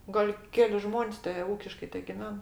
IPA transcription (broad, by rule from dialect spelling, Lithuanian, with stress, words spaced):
ˈɡɐlʲ ˈkʲæːlʲɪ ˈʒmoːnʲsʲ tʲɛ ˈuːkʲɪʃkɐɪ tʲɛɡʲɪˈʋʲɛn